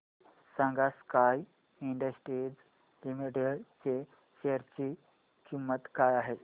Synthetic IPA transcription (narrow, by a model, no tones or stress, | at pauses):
sãŋɡaskaj | iɳɖəsʈɾid͡z | limiʈeɽt͡se | ɕeəɾt͡ɕi | kimːət̪kajaɦe